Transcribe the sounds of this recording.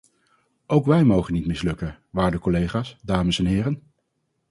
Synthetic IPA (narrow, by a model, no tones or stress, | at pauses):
ʔowkʋɛjmowχənːitmɪslɵkə | ʋaːɹdəkɔlejχaːsdaːməsɛnɦɪːrən